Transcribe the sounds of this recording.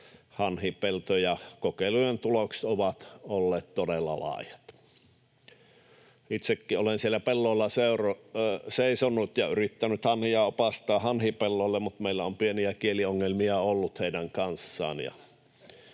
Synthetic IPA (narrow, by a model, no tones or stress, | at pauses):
hɑnhipelt̪ojɑkokelujent̪ulokse̥t̪oʋɑt̪olːeːt̪t̪odelːɑ̰lɑ̰ˑːjɑ̥t̪ | it̪sekːiolensielːæpelːoˑelːɑseuroseˑisonːut̪jɑyrit̪ːænyt̪hɑnhiɑopɑst̪ˑɑːhɑnhipelːoˑĕlːemmut̪meilːæompieniækielioŋːelmiɑolːut̪heidæŋkɑnsːɑ̰ːnjɑ̰